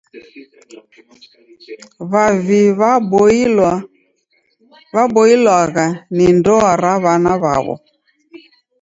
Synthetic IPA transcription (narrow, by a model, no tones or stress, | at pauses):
βaviβbl | βabɔilwaɣanindɔaɾaβanaβa̰βɔ̰